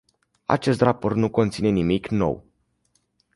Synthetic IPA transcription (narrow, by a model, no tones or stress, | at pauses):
a̰t͡ʃe̞st̪rapo̞rt̪nuko̞nt̪sine̞nimikno̞̰w